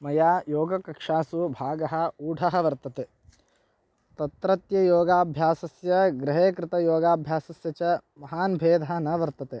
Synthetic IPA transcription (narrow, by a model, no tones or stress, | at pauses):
mɐjaːjoːɡɐkɐkʂaːsubʱaːɡɐɦɐ̆uːɖʱɐɦɐ̆ʋɐɾt̪ɐt̪e | t̪ɐt̪ɾɐt̪jɐjoːɡaːbʱjaːsɐsjɐɡɾɪɦeːkɾɪt̪ɐjoːɡaːbʱjaːsɐsjɐt͡ʃɐmɐɦaːnbʱeːd̪ʱaɐnɐʋɐɾt̪ɐt̪e